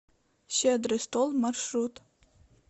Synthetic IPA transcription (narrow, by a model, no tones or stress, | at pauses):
ɕed̪ɾɘst̪olˠmarʃɾut̪